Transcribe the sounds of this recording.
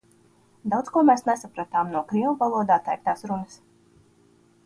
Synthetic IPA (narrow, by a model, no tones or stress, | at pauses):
d̪awt̪skuɔmɛːsnɛsapɾat̪aːmnuɔkɾiɔvalˠuɔd̪aːt̪ːɛ̰jk̚t̪aːsɾunɨs